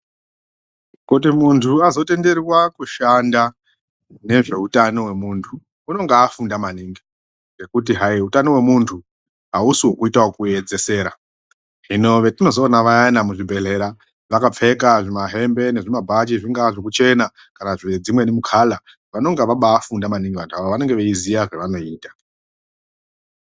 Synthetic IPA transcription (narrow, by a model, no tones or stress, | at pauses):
kut̬imuntʰuazo̞te̞nde̞rwakuʃanda | ne̞ʐe̞utano̞we̞muːntʰu | uno̞ŋɡaːfundamaniːŋɡi | ɡe̞kut̬iɦaiutano̞we̞muntʰu | ɦausiwokuitawokue̞d͡ze̞se̞ːɾa | ɦino̞ʋe̞tino̞zoːnaʋajanamuʐibʱe̞ɮe̞ɾa | ʋakap͡fe̞kaʐimaɦe̞mbe̞ne̞ʐimabʱat͡ʃiʐiŋɡaʐek̬ut͡ʃe̞na | kanaʐed͡zimwe̞nimukʰaːla | ʋano̞ŋɡaʋaɓaːfundamaniŋɡiʋantʰuaʋoʋane̞ŋɡeʋeizijaʐeʋano̞iːtḁ